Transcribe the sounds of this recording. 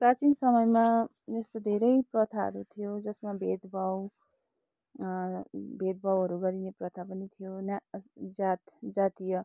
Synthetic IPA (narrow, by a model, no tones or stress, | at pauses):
prat͡sinsʌmʌjma | d͡zʌst̪od̪ʱeɾʌjprʌt̪ʰaɦʌ̰ɾut̪ʰijod͡zʌsmabʱet̪bʱʌw | bʱet̪̚bʱʌwɦʌɾuɡʌɾineprʌt̪ʰapʌnit̪ʰijonad͡zat̪d͡zat̪ijʌ